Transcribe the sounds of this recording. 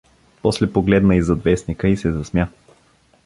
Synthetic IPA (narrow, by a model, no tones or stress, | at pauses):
pɔslɛpoɡlɛd̪nəizɐd̪vɛsnikəisɛzɐsmʲja